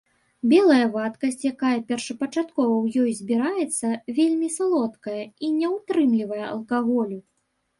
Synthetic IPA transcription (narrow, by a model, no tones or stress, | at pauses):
bʲɛlˠɐjɐvat̪kɐsʲt͡sʲjakajɐpʲɛrʂɐpɐt͡ʂat̪kɔvɐwjɔjzʲbʲiɾajɛt̪sːɐvʲelʲmʲisalˠɔt̪kɐjɐinʲɛwt̪ɾɨmlʲivɐjɛɐ̰lˠkaɣɔlʲu